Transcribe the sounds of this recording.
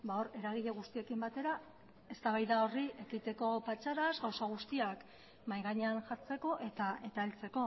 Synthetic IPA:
bao̞ɾe̞ɾaɣ̞iʎeɣ̞ust̪ie̞kimbat̪e̞ɾa | e̞st̪aβ̞ajðao̞riʔe̞kit̪e̞ko̞pat͡ʃaɾazɣawsaɣ̞ust̪iak | majɣaɲeanʝat͡se̞ko̞ʔe̞t̪ae̞t̪aelt͡se̞ko̞

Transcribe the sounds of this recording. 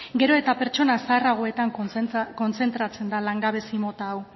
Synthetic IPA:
ɡe̞ɾo̞e̞t̪apeɾt͡ʃo̞nasaːraɣ̞oe̞t̪aŋko̞nt͡se̞nt̪ɾat͡se̞nd̪alaŋɡaβe̞simo̞t̪aːw

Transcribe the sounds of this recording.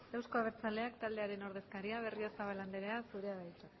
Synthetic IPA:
ewsko̞aβ̞e̞ɾt͡sale̞akt̪ald̪e̞aɾe̞no̞ɾð̞e̞skaɾiaβ̞e̞riosaβaland̪eɾeasuɾe̞aβajt͡sa

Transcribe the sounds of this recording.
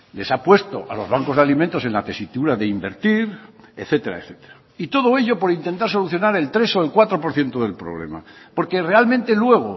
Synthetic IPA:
le̞sapwe̞st̪o̞̰ʔalo̞zβaŋko̞zðalimẽnt̪o̞se̞nlat̪e̞sit̪uɾaðe̞imbeɾt̪iɾeθe̞t̪e̞ɾa̰eθe̞̥t̪eɾa | it̪o̞ð̞o̞e̞ʎo̞poɾint̪ent̪aɾso̞luθjo̞naɾe̞lt̪ɾe̞so̞elkwat̪ɾopo̞ɾθje̞nt̪oðe̞lpɾoβle̞̰ma̰po̞ɾkere̞almẽnt̪e̞lwe̞ɣ̞o

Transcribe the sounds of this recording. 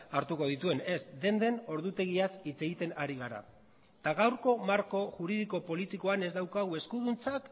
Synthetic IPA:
aɾt̪uko̞ð̞it̪ue̞ne̞sd̪e̞nd̪e̞no̞ɾðut̪e̞ɣ̞iasit͡se̞ɣ̞it̪e̞naɾiɣaɾa̰ | t̪aɣawɾko̞maɾko̞ʝuɾiðiko̞po̞lit̪iko̞ane̞zd̪awkaɣ̞ue̞skuð̞unt͡sak

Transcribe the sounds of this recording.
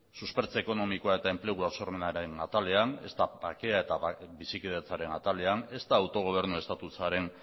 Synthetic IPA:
suspe̞ɾt͡seeko̞no̞mikoaet̪ae̞mple̞ɣ̞uasoɾmenaɾenat̪ale̞ane̞̰st̪abake̞ae̞t̪abisikið̞et͡saɾe̞nat̪ale̞ane̞st̪aːwt̪o̞ɣ̞o̞β̞e̞ɾnue̞st̪at̪ut͡saɾe̞n

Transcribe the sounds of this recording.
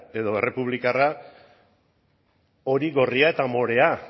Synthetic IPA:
e̞ðo̞e̞re̞puβlikara | o̞ɾiɣo̞riae̞t̪amo̞ɾe̞a

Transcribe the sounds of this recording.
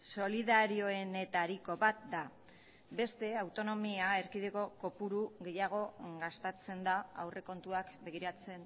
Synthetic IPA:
so̞liðaɾio̞e̞ne̞t̪aɾiko̞βat̪̚d̪a | be̞st̪e̞awt̪o̞no̞miae̞ɾkiðeko̞ko̞puɾuɣe̞jaɣ̞o̞ɣast̪at͡se̞nd̪aa̰wre̞ko̞nt̪uakbe̞ɣ̞iɾat͡se̞n

